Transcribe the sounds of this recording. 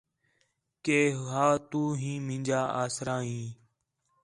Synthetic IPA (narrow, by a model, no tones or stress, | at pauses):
keːɦɦaːt̪uːɦĩːmɪ̃nʲd͡ʒaːʔaːsɾãːɦĩː